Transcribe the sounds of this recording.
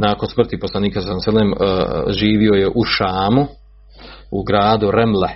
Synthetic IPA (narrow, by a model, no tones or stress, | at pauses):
naːkonsmr̩t̪iposlˠaniːkasanselemʒiːʋio̞jeʔuʃaːmu | uɡɾaːd̪uɾemle